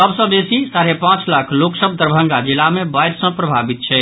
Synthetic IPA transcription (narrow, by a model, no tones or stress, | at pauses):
səbsə̃besisaɾepãt͡ʃlakʰloksəb̚d̪əɾbʱəŋɡad͡ʒilamebajɾsə̃pɾəbʱabit̪̚t͡ʃʰɛ